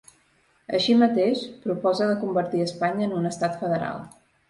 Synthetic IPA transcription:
ə̰ʃimət̪eʃpɾupɔzəðəkumbəɾt̪iəspaɲəːnunəst̪at̪fəðəɾa̰lˠ

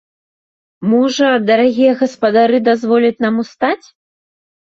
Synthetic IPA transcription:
mɔʐɐd̪ɐɾaɣʲijɐɣɐspɐd̪aɾɨd̪azvɔlʲɐt͡sʲnamust̪at͡sʲ

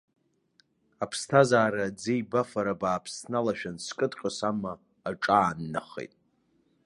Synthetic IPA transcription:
apʰstʰazaːɾad͡zejbafaɾabaːpʰsnalaʃᶣanskʼɨdqʲʼəsamaː | ʈ͡ʂʼaːnːa̰χḛjtʼ

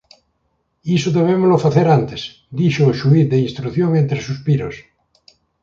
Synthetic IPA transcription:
isoðeβ̞emozlofaθeɾant̪es | d̪iʃoːʃuiθðeinst̪ɾuθjoŋẽnt̪ɾesuspiɾo̰s

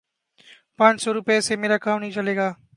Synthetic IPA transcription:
pãːt͡ʃsoːɾʊpesemeːɾaːkãːmnəɦĩt͡ʃəleːɡaː

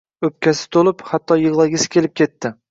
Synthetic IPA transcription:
ɵp̚kʲʰasɪ̥t̪ʰolˠɪphat̪ʰːɒjɨʁlˠaɡʲɪsɪ̥kʲʰe̞lɪp̚kʲe̞t̪ʰːɪ

